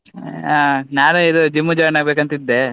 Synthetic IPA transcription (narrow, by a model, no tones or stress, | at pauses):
anaːnuid̪ud͡ʒimːud͡ʒɔːjnaːɡbekɐnt̪id̪ːe